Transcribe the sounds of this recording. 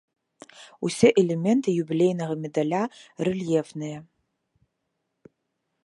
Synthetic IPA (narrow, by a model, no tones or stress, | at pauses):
usʲeʔelemʲentʰɨjubʲilʲejnɐʁɐmʲedalʲarɨljevnɨjɛ